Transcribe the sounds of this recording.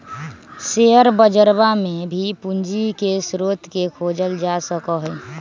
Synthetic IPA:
seɦəɾbəd͡ʒəɾbamẽbʱipund͡ʒikesɾoːt̪ʰkekʰoːd͡ʒəld͡ʒasəkəɦə

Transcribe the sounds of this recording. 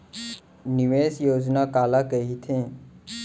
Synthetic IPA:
nɪʋeːsjoːd͡ʒnakaːlakəɦit̪ʰẽ

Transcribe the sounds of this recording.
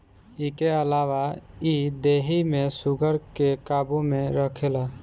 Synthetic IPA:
ikeəlaʋaid̪eɦimesuɡəɾkekabumeɾəkʰela

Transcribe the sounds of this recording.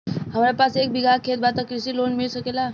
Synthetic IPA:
ɦamɾjapasek̚bʱiɡʱakʰet̪̚bat̪akɾisiːlonmiɭsəkela

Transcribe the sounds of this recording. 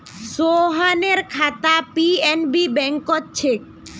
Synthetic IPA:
soɦaneɾkʰat̪apienbibɛŋkotːt͡ɕʰek̚

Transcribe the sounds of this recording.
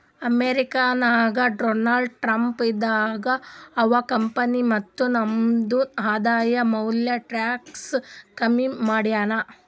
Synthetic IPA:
ɐmeːɾikaːnaːɡɐɖoːnaːɭɖʈɾɐmpid̪ːaːɡɐːʋɐkɐmpɐnimɐt̪ːunɐmd̪uaːd̪aːjɐmɐwljɐʈɾaːkskɐmimaːɽijaːnɐ

